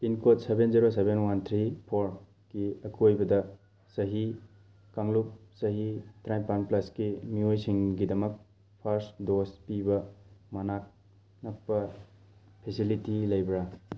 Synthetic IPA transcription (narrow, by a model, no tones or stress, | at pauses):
inkotsebenziɾosebenwant̪ʰɾipʰoɾ | ɡ̥iɐkʰuojbɐdɐ | sɐɦi | kaŋlup̚sɐɦitʰɾajpanplaskimiojsiŋɡidɐmɐk̚ | pʰaɾsdospibɐmɐnak̚ | nɐk̚pɐ | pʰesilitilɐjbɾa